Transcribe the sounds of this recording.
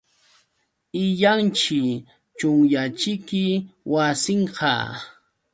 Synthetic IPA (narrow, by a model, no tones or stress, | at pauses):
ɪʎant͡ʃɪ | t͡ʃʊŋjat͡ʃɪkɪwasɪɴɢɑ̰